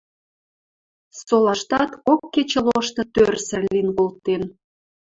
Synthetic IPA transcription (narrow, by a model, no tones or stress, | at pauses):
solɑʃt̪ɑt̪okːet͡ɕə̆loʃt̪ɤ̆t̪ørsə̆linkolt̪en